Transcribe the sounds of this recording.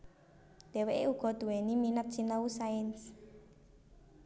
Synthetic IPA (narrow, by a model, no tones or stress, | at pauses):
d̪̥eweʔeuɡ̥ɔ̤d̪̥ṳweniminap̪̚t͡ʃinausaɛns